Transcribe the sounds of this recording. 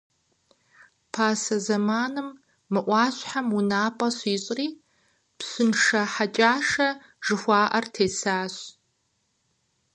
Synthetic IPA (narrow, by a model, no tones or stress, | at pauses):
pʰaːsɐzɐmaːnɨmː | ɨʔʷɑːɕħamʊnaːpʼɐɕiːɕʼriː | psɨnʂɐħat͡ʃʼaːʂɐ | ʒ̥ɨxʷɑːʔɐrtʰeːsaːɕ